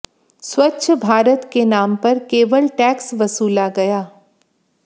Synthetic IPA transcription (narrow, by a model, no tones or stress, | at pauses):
swɐtːʃʰbʱaːɾət̪kenaːmpɐɾkeːʋəlʈɛːksʋɐsuːlaɡɐjaː